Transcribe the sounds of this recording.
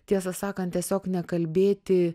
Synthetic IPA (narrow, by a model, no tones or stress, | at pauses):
t̪ʲiɛs̬ɐsɑːkɐnt̪t̪ʲiɛsʲoːknʲɛkɐlʲbʲeːt̪ʲɪ